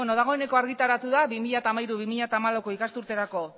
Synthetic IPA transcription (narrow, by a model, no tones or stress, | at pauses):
eno̞ðaɣ̞o̞e̞ne̞ko̞aɾɣit̪aɾat̪uðaβimiʎat̪aːmajɾuβimiʎat̪aːmalawkoikast̪uɾt̪e̞ɾako̞